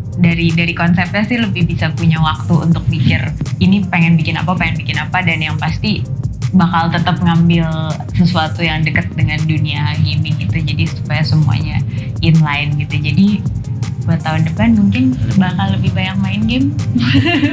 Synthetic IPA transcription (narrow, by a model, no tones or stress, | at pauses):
daɾidaɾikɔnsɛp̚ɲasɪhləbɪhbisapuɲawak̚t̪uṵnt̪ʊk̚pikɪrinipeŋɛnbikɪna̰papeŋɛnbikɪnapadanjaŋpast̪ibakalt̪ət̪əp̚ŋambɪl | səsuat̪ujaŋdəkət̪̚dəŋanduniaɡimɪɡit̪ud͡ʒadisupajasəmua̰ɲa | ɪnlaɪnɡit̪ud͡ʒadi | duat̪aɦʊndəpanmuŋkɪnbakalːəbɪhbajaŋmaɪnɡɪm